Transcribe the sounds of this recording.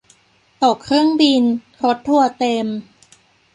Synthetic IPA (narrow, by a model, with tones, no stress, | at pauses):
t̪o˨˩kʰːɾɯ˥˩əŋbi˧n | ɾo˦˥t̪ʰːu˥˩ɐt̪e˧m